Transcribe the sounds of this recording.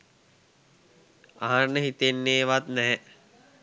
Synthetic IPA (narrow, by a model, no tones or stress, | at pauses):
a̰ɦanːəɦit̪enːeːʋat̪nɛɦɛ